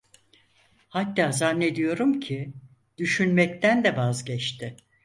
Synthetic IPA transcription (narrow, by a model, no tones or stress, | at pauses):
hat̪ːaːzanːe̞d̪ijo̞ɾumcʰi | d̪̥yʃynmɛct̪ʰænd̪ɛvazɟɛt͡ʃt̪ʰɪ